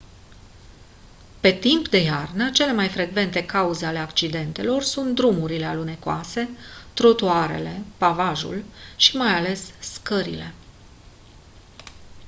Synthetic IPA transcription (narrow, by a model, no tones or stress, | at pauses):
pe̞t̪impd̪e̞jarnət͡ʃe̞le̞majfɾe̞ɡve̞nt̪e̞kauzeale̞akt͡ʃid̪e̞nt̪e̞lo̞rsunt̪̚d̪ɾumuɾile̞alune̞koa̰se̞t̪ɾot̪uaɾe̞̰le̞pavaʒṵlʃimajale̞sːkəɾḭle̞